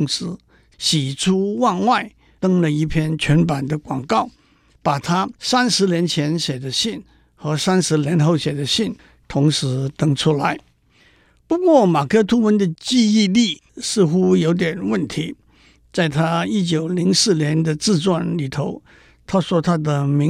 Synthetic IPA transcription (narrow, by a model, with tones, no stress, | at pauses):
ŋsɹ̩˥ | ɕi˨˩ʈ͡ʂʰu˥wa˥˧nwa˥˩ɪ | t̪ɤ˥ŋlə˨i˥˩pʰjɛ˥˧nt͡ɕʰɥɛ˧˥npa˨˩nd̪ə˦kwɑ˨˩ŋkɑ˥˩ʊ | pa˨˩t̪ʰa˥sa˥nʂɻ̩˧˥njɛ˧˥nt͡ɕʰjɛ˧˥nɕjɛ˨˩d̪ə˦ɕi˥˩n | xɤ˧˥sa˥nʂɻ̩˧˥ljɛ˧˥nxo˥˩ʊɕjɛ˨˩d̪ə˦ɕi˥˩n | t̪ʰʊ˧˥ŋʂɻ̩˧˥t̪ɤ˥ŋʈ͡ʂʰu˥la˧˥ɪ | pu˧˥kwɔ˥˩ma˨˩kʰɤ˧˥t̪ʰu˥wə˧˥nd̪ə˧t͡ɕi˥˧i˥˧li˥˩sɹ̩˥˧xu˥jo˧˥ʊt̪̬jɛ˨˩nwə˥˩nt̪ʰi˧˥ | t͡sa˥˧˩ɪt̪ʰa˥i˥t͡ɕjo˨˩ʊli˧˥ŋsɹ̩˥˩njɛ˧˥nd̪ə˨t͡sɹ̩˥˧t͡swa˥˩nli˨˩t̪ʰo˧˥˦ʊ | t̪ʰa˥swɔ˥t̪ʰa˥d̪ə˧mi˧˥